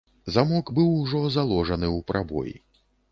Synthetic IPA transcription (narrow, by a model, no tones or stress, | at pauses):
zamɔɡbɨwʐɔzalˠɔʐɐnɨwpɾʔabɔ̰jḭ